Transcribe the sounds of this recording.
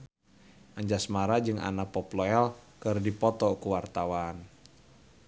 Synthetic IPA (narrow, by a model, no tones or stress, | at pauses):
ʔaɲd͡ʒasmaɾad͡ʒɨŋa̰napɔplɔɛlkɨrdipɔt̪ɔkuwart̪awan